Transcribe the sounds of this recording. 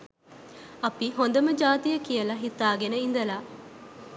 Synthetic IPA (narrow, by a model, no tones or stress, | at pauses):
ɐpiɦond̪ɐməd͡ʒaːt̪ijəkijəlɐɦit̪aːɡenəind̪ɐlaː